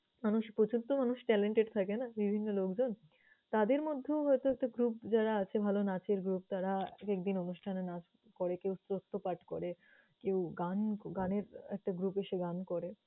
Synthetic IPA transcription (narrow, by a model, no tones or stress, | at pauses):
manuʃpot͡ɕunt̪omanuʃʈɛleɳʈeɖt̪ʰakenabibʱinːolokd͡ʑon | t̪ad̪eɾmod̪ʱːeoɦɔjt̪oɛk̚ʈaɡɾup̚d͡ʑaɾaat͡ɕʰebʱalonat͡ɕeɾɡɾup̚t̪aɾakɛk̚d̪inonuʃʈʰanenat͡ɕ | kɔɾekewsɾost̪ʰːopaʈkoɾe | kewɡanɡaneɾɛk̚ʈaɡɾupeʃeɡankɔɾe